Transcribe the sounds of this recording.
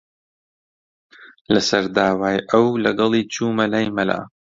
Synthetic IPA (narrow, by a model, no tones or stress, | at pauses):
lɐsɐɾd̪aːwaːjʔɐwlɐɡɐlˠiːt͡ʃuːmɐlajmɐla̰ː